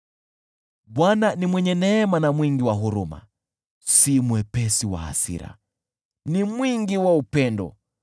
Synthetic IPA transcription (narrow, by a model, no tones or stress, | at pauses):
ɓwananimwɛɲɛnɛːmanamwiŋɡiwaɦuɾuma̰ | simuɛpɛsiwa̰a̰sḭɾa̰ | nimwiŋɡiwaupɛndɔ̰